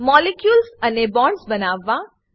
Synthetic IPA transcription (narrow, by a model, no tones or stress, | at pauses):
mɔːlekjuːlsɐnebɔ̃ːɳɖsbɐnaːʋãː